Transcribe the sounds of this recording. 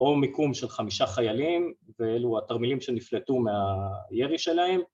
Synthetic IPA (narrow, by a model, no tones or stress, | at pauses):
o̞mikumʃe̞lχamiʃaχajalimveeluat̪aʁmilimʃe̞niflet̪umeajeʁiʃe̞laem